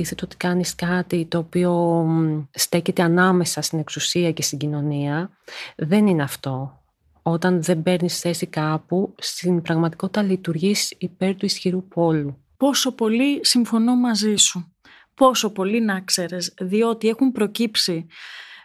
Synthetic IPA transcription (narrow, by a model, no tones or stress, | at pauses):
iθet̪ot̪i̥kɐniskɐt̪it̪o̞ːpio̞ | st̪e̞çe̞t̪e̞ɐnɐme̞sɐst̪ine̞ksusiɐce̞st̪iɟino̞niɐ | ðe̞nineɐft̪o̞ | o̞t̪ɐnðembe̞ɾnisθe̞sikɐpust̪inbɾɐɣmɐt̪i̥ko̞t̪i̥t̪ɐlit̪uɾʝisipe̞ɾt̪uisçiɾupo̞lu | po̞so̞po̞lisiɱfo̞no̞mɐzisu | po̞so̞po̞linɐkse̞ɾe̞sðio̞t̪ie̞xumpɾo̞cipsi